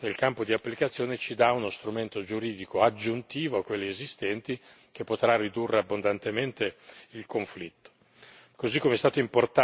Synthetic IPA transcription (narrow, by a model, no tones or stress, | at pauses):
nelkampod̪iapːlikat̪sːjoːnet͡ʃid̪aunost̪ɾument̪od͡ʒuɾiːd̪ikoad͡ʒːunt̪iːvoakːwelːeezist̪ɛnt̪i | k̟epːot̪ɾarid̪urːeabːond̪ant̪ement̪eilkoɱflit̪ːo̥ | kozikːomeɛst̪aːt̪oimport̪a